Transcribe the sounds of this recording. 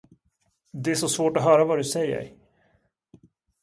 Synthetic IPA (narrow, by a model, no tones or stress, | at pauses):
d̪ɛæʂɔsvoːʈɔɦœːɾavad̪ɵsɛjːə̰ɾ